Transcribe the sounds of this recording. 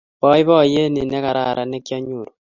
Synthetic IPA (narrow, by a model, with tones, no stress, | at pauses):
bɔ˦ɪ˦bɔ˦˨je˦ni˨nɛ˦ka˨ɾa˨ɾa˨nɛ˦kja˦ɲo˨ɾo˨